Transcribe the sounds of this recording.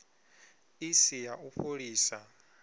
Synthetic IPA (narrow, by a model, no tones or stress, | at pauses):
isijaʔuɸʰoɺiːsa